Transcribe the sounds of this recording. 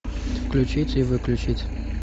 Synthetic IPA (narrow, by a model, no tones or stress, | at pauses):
fklʲʉt͡ɕitʲivɨklʲʊt͡ɕitʲ